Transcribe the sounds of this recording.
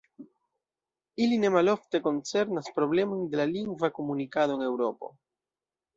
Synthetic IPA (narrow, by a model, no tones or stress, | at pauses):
iline̞malo̞ft̪e̞ko̞nt͡se̞ɾnaspɾo̞βle̞mond̪e̞laliŋɡvako̞munikaðo̞eŋe̞wɾo̞po̰